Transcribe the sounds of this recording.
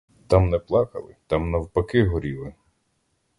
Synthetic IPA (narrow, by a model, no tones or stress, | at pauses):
t̪ɑmnɛplˠɑkɐ̰lˠɪ̰t̪ɑmnɐwpɐkɪɦɔɾʲilɪ